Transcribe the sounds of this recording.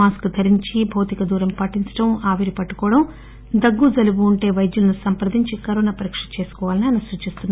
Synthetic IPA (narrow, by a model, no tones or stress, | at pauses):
aːskd̪ʰʱɐɾiɲt͡ʃibʱɐwt̪ikɐd̪uːɾɐmpɐʈːiɲt͡ʃɐ̥ʈɐmaːʋiɾipɐʈːu̥kɔːɽɐm | d̪ɐɡːud͡ʒɐlubuːɳʈe̞ːʋɐjd̪julɐnusɐmpɐɾd̪ʱiɲt͡ʃikɐɾoːnɐpɐɾikʂɐ̥t͡ʃe̞ːsu̥kɔːʋaːlɐniaːjnɐsuːt͡ʃist̪unːaɾ